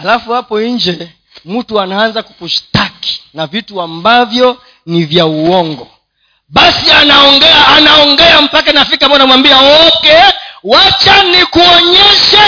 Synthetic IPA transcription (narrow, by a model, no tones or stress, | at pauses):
halafuhapɔɲ̩d͡ʒɛ | m̩tuanaanzaku̥kuʃi̥taki̥navituambavjɔ | nivjauɔŋɡɔ | ɓasianaɔŋɡɛaːnaɔŋɡɛam̩pakanafikamaanamwambiaɔkɛwat͡ʃanikuɔɲɛʃa